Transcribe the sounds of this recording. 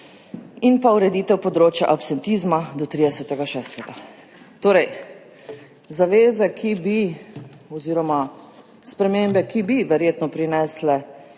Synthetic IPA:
inpauɾɛd̪iːt̪ɛwpɔd̪ɾoːt͡ʃja̰ʔapsɛnt̪iːzmad̪ɔt̪ɾiːd̪ɛsɛt̪ɛɡaʃɛːst̪ɛɡa | t̪oːɾɛj | zaʋeːzɛkʰibi | ɔziːɾɔma | spɾɛmembɛkibiʋɛɾjeːt̪nɔpɾinɛːslɛ

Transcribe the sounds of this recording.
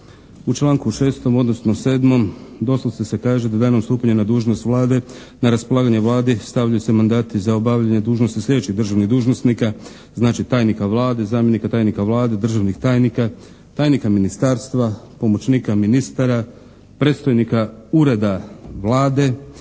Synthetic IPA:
ut͡ʃlˠaːŋkuʃe̞ːst̪o̞mo̞d̪no̞snose̞ːd̪mo̞md̪o̞slosese̞kaːʒed̪ad̪aːnomst̪uːpaɲenad̪uːʒno̞st̪ʋlˠaːd̪e̞ | naɾaspo̞lˠaːɡaɲeʋlˠaːd̪est̪aʋʎajusemand̪aːt̪izaobaʋʎaɲed̪uːʒnost̪islʎʲedet͡ɕt͡ʃiɣd̪r̩ʒaʋniɣd̪uːʒnosnika | znaːt͡ʃit̪aːjnikaʋlˠaːd̪e̞zaːmje̞nikat̪aːjnikaʋlˠaːd̪e̞d̪r̩ʒaʋnixt̪aːjnika | t̪aːjnikaminist̪aːɾst̪ʋapo̞mo̞t͡ɕniːkaminist̪aɾa | pɾe̞t̪st̪ojnikauɾe̞d̪aʋlˠaːd̪e̞

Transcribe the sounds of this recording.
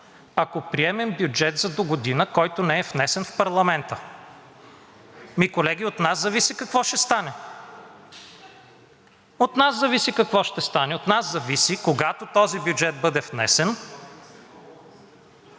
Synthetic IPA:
akopɾiɛmɛmbjud͡ʒɛt̪zɐd̪oɡod̪inəkɔjt̪onɛɛfnɛsɛnfpɐɾlˠɐmɛnt̪ə | mikolɛɡʲiot̪naszɐvisikɐkvɔʃɛst̪anɛ | ot̪naszɐvisikɐkvɔʃt̪ɛst̪anɛot̪naszɐvisikoɡat̪ot̪ɔzibjud͡ʒɛt̪̚bɤd̪ɛfnɛ̰sɛn

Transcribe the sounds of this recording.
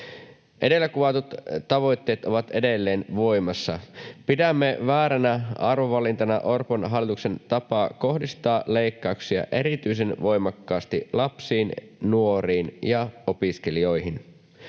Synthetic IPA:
ʔe̞de̞lːækuʋɑt̪ut̪t̪ːɑʋo̞jt̪ːe̞ːt̪o̞ʋɑt̪e̞de̞lːe̞ːnʋo̞jmɑsːɑpidæmːeʋæːɾænæʔɑrʋoʋɑlint̪ɑnɑʔo̞rponɦɑlːˑit̪ukse̞nt̪ɑpɑːko̞hdist̪ɑːle̞jkːɑuksiɑ̰ʔe̞ɾit̪yjs̬e̞nʋo̞jmɑkːɑːst̪ḭlɑpsiːn | nuo̞ɾiːnjɑo̞piske̞lio̞jɦin

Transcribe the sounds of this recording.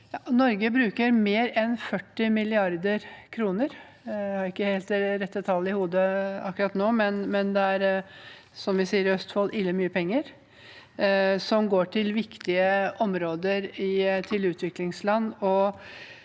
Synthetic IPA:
jɑnɔɾɡəbɾʉːkəɾmeːɾɛnfœʈːɪmɪlɪɑɾd̪əɾkʰɾuːnəɾ | jæhɑɾɪkːəheːlt̪ɾɛt̪ːət̪ʰɑlːɪhuːd̪əɑkːʉɾɑt̪noːmɛnmɛnd̪ɛæɾ | sɔmʋɪsiːəɾœst̪foːlʔɪlːəmyːəpʰɛŋːəɾ | sɔmɡoːʈʰɪlʋɪkt̪ɪəɔmɾoːd̪əɾɪt̪ʰɪlʉːt̪ʰʋɪklɪŋslɑnːɔ

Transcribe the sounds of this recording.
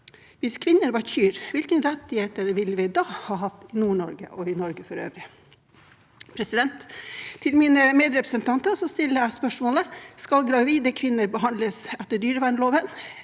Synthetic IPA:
ʋɪskʰʋɪnːəɾʋɑɾçyːɾʋɪlkənɾɛt̪ːɪheːt̪əɾʋɪlːəʋɪd̪ɑːhɑːɦɑt̪ːɪnuːɳɔɾɡə̰ʔɔɪnɔɾɡəfɔɾø̰ːʋɾɪ | pʰɾɛsɪd̪ɛnt̪ʰːɪlmiːnəmeːd̪ɾɛpɾəsənt̪ʰɑnt̪əsɔst̪ɪlːəæspœʂmoːləskɑlɡɾɑʋiːd̪əkʰʋɪnːəɾbəɦɑnd̪ləsɛt̪ːəɖyːɾəʋæɳloːʋən

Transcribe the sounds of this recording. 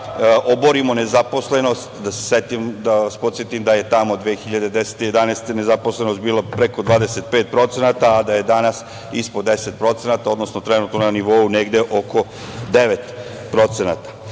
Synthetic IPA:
ʔoboɾimo̞nezapo̞sle̞no̞st̪d̪aseset̪imd̪aaspot̪sjet̪imd̪aje̞t̪amo̞d̪ʋeːxiʎad̪e̞d̪e̞se̥t̪ije̞d̪anest̪ene̞zapo̞sleno̞st̪biːlapɾe̞kod̪ʋaːd̪ese̞t̪̚peːt̪̚pɾo̞t̪se̞nat̪aːd̪aje̞d̪anas | ispod̪e̞se̞t̪̚pɾo̞t̪se̞nat̪ao̞d̪no̞sno̞t̪ɾenuːt̪nonaniʋouneɡd̪e̞ʔo̞ko̞ | d̪e̞ʋet̪ | pɾo̞t̪se̞na̰t̪ḁ

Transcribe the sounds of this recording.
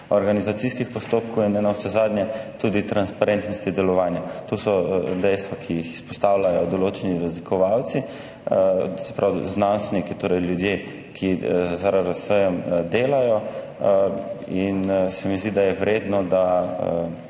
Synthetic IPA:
ɔɾɡanizat̪siskixpɔst̪oːp̚kowinɛnawsɛzaːd̪njɛt̪ud̪it̪ɾanspaɾent̪nɔst̪id̪ɛlɔʋaːnjat̪osɔd̪ɛjst̪ʋakʰijixispɔst̪awlajɔd̪ɔloːt͡ʃɛniɾazlikʰɔʋawt̪si | sɛpɾawznãnst̪ʋɛnikit̪oːɾɛjljud̪je | kʰizzaɾaɾasəjɔmd̪eːlajɔ | insɛmizd̪id̪ajɛwɾeːd̪nɔd̪a

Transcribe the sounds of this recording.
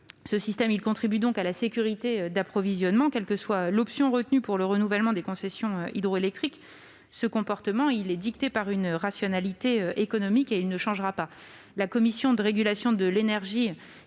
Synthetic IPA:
səsist̪ɛmilkɔ̃t̪χibyd̪ɔ̃kalasekʲyʁit̪eød̪apχɔvizjɔnmɑ̃kɛlkəswalɔpsjɔ̃ʁət̪nypuʁləʁənuvɛlmɑ̃d̪ekɔ̃sɛsjɔ̃øid̪ʁoelɛk̚t̪χik | səkɔ̃pɔʁt̪əmɑ̃ilɛd̪ikt̪epaʁynʁasjɔnalit̪eøʔekɔnɔmikeilnəʃɑ̃ʒʁapa | lakɔmisjɔ̃d̪əʁeɡʲylasjɔ̃d̪əlenɛʁʒi

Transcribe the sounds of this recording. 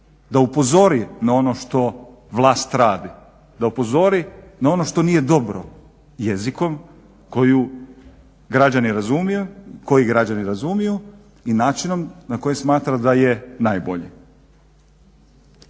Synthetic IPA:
d̪aupo̞zo̞ɾinao̞no̞ʃt̪o̞ | ʋlˠaːst̪ɾaːd̪i | d̪aupo̞zo̞ɾinao̞no̞ʃt̪o̞niːje̞d̪o̞bɾo̰ | je̞ziko̞m | ko̞ju | ɡɾad͡ʑaniɾazumijuko̞jiɡɾad͡ʑaniɾazumiju | inaːt͡ʃino̞mnako̞jesmaːt̪ɾad̪aje̞najbo̞ʎi

